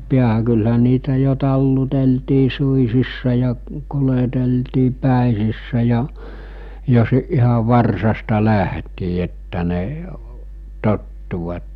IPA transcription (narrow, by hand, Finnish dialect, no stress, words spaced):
piæhæ kylhæ niːtæ jo tɑlːuteltiː suisisːɑ jɑ kuleteltiː pæˑesisːæ jɑ jo si ihɑ ʋɑrsɑstɑ læhtiː etːæ ne totːuʋɑtːe